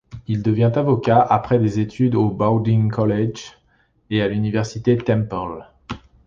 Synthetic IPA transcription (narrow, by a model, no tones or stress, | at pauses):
ild̪əvjɛ̃t̪avɔkʲaʔapχɛd̪ezet̪ʰyd̪obawd̪iŋkɔlɛd͡ʒ | ealynivɛʁsit̪et̪ɛ̃mpɔl